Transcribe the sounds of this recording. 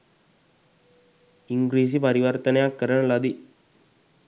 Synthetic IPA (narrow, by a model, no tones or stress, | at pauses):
iŋɡɾiːs̬ipəɾiʋəɾt̪ənəjakːəɾəɳ̃lad̪i